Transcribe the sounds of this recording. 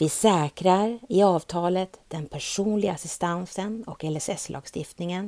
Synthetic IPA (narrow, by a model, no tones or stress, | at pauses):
vɪsɛːkɾaɾɪɑːvt̪ʰɑːlət̪d̪̥ɛnpʰæʂuːnlɪɡaasɪst̪ansənɔkɛlɛsɛslʔɑ̰ːɡst̪ɪft̪nɪŋən